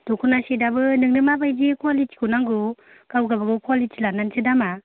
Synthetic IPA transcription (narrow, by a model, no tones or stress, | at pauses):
d̥ukʰunasedabɯnɯŋnɯmabajd͡ʒekʰalit͡ʃkunaŋɡu | kawɡabaɡukʰalit͡ʃilanansʰɯdama